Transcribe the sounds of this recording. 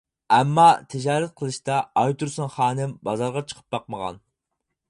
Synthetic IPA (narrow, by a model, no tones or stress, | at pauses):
ɛmːɑt̪ʰɪd͡ʒɑːɾɛt̪̚qʰəlˠɨʃt̪ɑɑjt̪ʰuɾsuŋχɑːnɪmbɑzɑɾʁɑt͡ʃʰə̥qʰə̥p̚bɑqməʁɑ̰n